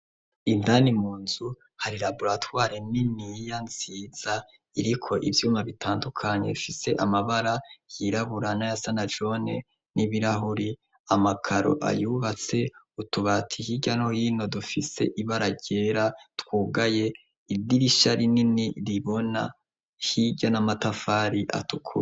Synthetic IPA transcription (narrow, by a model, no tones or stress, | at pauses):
indanimuːnzu | haɾiɾaβuɾatwaːɾeninijanz̥iːz̥a | iɾikʰo̞ʔivjuːmaβitʰaːndukʰaɲe̞̰ufise̞ʔamaβaɾajiɾaβuɾanajasanad͡ʒo̞ne | niβiɾaɦuɾi | amakʰaɾo̞̰ʔa̰juβat͡se̞ | utuβatʰihiɟanhojino̞dufise̞̰ʔiβaɾaɟe̞ːɾatkwuːɡaje̞ | idiɾiʃaɾininiɾiβo̞na̰ | hiɟanamatafaːɾiʔa̰tʰukʰu